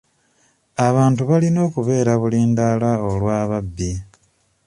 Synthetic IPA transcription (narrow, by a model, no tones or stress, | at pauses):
aβaːntuβalino̞ːkuβe̞ːɾaβuliːndalao̞lwaːβabːi